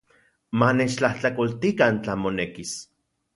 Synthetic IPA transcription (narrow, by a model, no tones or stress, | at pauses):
manet͡ʃt͡ɬaht͡ɬakolt̪ikant͡ɬamonekis